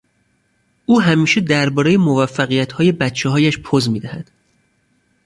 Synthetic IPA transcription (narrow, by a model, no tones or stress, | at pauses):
ʔuːɦæmiːʃe̞d̪æɾbɒːɾejemovæfːæɣijæt̪hɒːje̞bæt̪t͡ʃʰeɦɒːjæʃpʰozmiːd̪æhæd̪̥